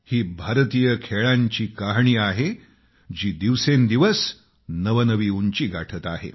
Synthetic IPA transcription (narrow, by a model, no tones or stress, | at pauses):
hiːbʱaɾt̪ijəkʰeɭaɲt͡ɕiːkaɦɳiːaɦe | d͡ʑiːd̪iʋsend̪iʋəs | nəʋənəʋiːuɲt͡ɕiːɡaʈʰət̪aɦḛ